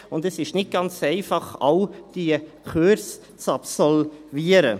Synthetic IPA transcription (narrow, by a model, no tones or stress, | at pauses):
ʊndɛsɪʃnɪt̚ɡ̥ɑnt͡sɛɪfɑχaʊd̥iə | kʰøɾs | t͡sɑpsɔlviəɾə